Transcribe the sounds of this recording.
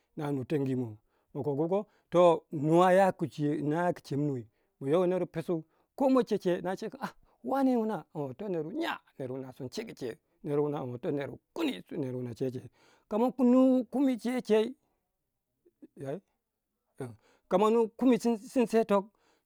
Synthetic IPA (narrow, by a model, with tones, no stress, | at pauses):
na˨nu˨to˨˦ŋɡi˨mo˨ | mo˨ko˨ku˦ko˦ | to˦nu˨wa˦ja˦ku˨t͡ʃe˨na˦ja˦ki̥˨t͡ʃe˨mːu˨i˨ | mo˨jo˦wo˦ne˦ɾu˦pe˨su˦ | ko˦mo˦t͡ʃe˦t͡ʃe˦˨˦na˦t͡ʃe˦ka˨ | wa˦ne˦wu˦na˨a˨o˨to˦ne˨ɾu˨ɲa˦ne˨ɾu˨na˨su˨nt͡ʃe˦ki˨t͡ʃḛ˨ | ne˨ɾwu˦na˨wo˨to˦ne˨ɾṵ˨ku˦nḭ˦ne˨ɾwu˨na˨t͡ʃe˦t͡ʃe˨ | ka˨ma˦ku˦nu˦ku˦mi˦t͡ʃe˦t͡ʃe˦i˦ | ja˨i˦ | a˨ | ka˨ma˦nu˦ku˦mi˨˦si˦nse˦to˦k̚